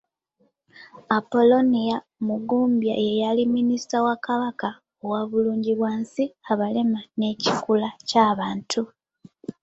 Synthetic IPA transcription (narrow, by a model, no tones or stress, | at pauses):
apo̞lo̞nija | muɡuːmbja̰je̞jaliminisi̥tawakaβaka | owaβuluːɲɟiβwaːnsiaβale̞mane̞cikulacaːβaːntʰu